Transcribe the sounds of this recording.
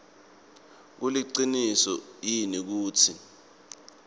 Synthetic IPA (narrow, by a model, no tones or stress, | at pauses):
k̬uliǃinisɔjinik̬uːtʰi